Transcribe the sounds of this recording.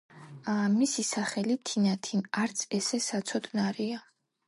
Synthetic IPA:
misisaχɛlit̪ʰinat̪ʰinaɾt̪sʰɛsɛsat̪sʰɔd̪naɾia

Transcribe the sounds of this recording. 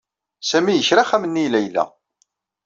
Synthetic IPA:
sæmijəçɾaχæmənːilæjlːæ̰

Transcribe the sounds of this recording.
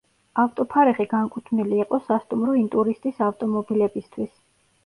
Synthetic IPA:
aft̪ʼɔpʰaɾɛʁiɡaŋkʼut̪ʰmiliːqʼɔsast̪ʼumɾɔint̪ʼuɾist̪ʼisaft̪ʼɔmɔbilɛbist̪ʰwis

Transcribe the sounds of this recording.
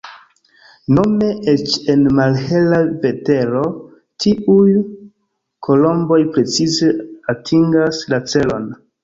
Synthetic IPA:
no̞me̞ʔet͡ʃe̞nmalhe̞lave̞te̞ɾo̞ | tʰiuj | kʰo̞lo̞mbo̞jpɾe̞t͡size̞atʰiŋɡaslat͡se̞lo̞̰n

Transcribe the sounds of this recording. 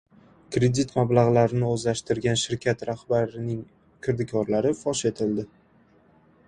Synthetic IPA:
kɾe̞d̪it̪mablaʁlaɾɪnɪozlaʃt̪ɪɾɡʲanʃɪɾkʲʰat̪ɾaχbaɾɪnɪŋ | kʰɪɾd̪ɪkʰɒɾlaɾɪfɒʃe̞t̪ʰɪld̪ɪ

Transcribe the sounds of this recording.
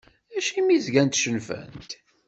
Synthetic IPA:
æʃimizɡænt̪ʃənfæ̰nt̪

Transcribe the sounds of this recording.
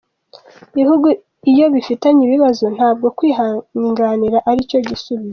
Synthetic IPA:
βihuɡu | ijo̞βifitaɲiβiβazon̥haːb̚ɡo̞kwiːɦaɲiŋɡaːniɾaʔaɾico̞ɟisuβize

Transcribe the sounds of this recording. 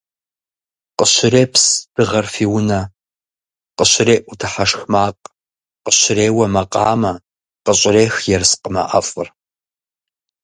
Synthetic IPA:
qəɕɪreːpsd̥ɨʁɐrfiːwʊnɐ | qəɕɪɾeːʔʷʊtʰɨħaʂxmaːqʼ | qəɕɪɾeːwɐmɐqʼɑːmɐ | qəɕʼɪreːxjɛrsqəmɐ̰ʔɐfʼɨr

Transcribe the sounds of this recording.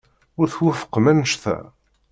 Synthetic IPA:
ʊɾθwæfə̥qːmænəʃθæ̰

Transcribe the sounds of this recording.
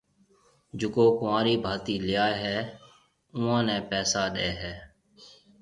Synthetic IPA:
d͡ʒʊkoːkʊãːɾiːbʱaːt̪iːlɪjaːeɦɛː | ʊːãːnɛ̃ːpɛːsaːɗeːɦɛː

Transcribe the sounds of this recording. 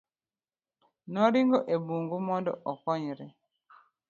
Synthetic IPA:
nɔɾiŋɡoʔebuŋɡumɔndɔ̰ʔɔkɔɲɾɛ

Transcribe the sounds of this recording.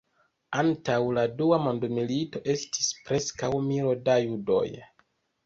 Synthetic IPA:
antawladuamo̞ndmilito̞ʔe̞sti̥spɾe̞skawmiɾo̞dajudo̞̰j

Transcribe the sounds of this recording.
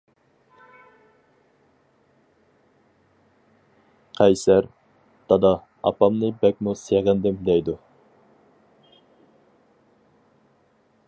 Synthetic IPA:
qʰɛjsæɾ | d̪̥ɑd̪ɑ | ɑ̰pɑmnɨbɛk̚ʲmuseʁɨnd̪ɪmd̪ɛjd̪u

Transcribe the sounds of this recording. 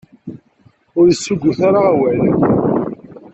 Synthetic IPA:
ʊɾjəsːuɡʷːʊθaɾaːwæl

